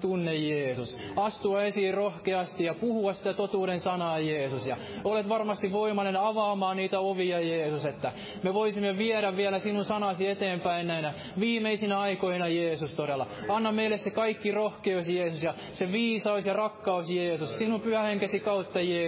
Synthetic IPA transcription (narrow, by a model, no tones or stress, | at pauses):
t̪unːejjeːsus | ɑst̪uɑesiːrrohkeɑst̪ijɑpuhuɑssi̥t̪æt̪ot̪uːɾensɑnɑːjeːsusjɑ | olet̪ʋɑrmɑst̪iʋʋoimɑnenɑʋɑːmɑːniːt̪æoʋiɑjeːsuset̪ːæ | meʋoisimːeʋieɾæʋʋiɛlæsinunsɑnɑsiet̪eːmpæinnːæinæ | ʋiːmeisinæɑikoinɑjeːsust̪oɾelːˑɑɑnːɑmmeilːˑessekɑikːirohkeousjeːsusjɑ | seʋiːsɑusjɑrɑkːɑusjeːsussinumpyhæheŋkesikɑut̪ːɑjeː